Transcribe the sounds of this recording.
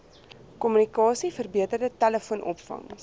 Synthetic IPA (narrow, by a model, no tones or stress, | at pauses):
kɔmynikɑːsifərbiətərdətæləfuənʔɔ̰pfɐ̰ŋ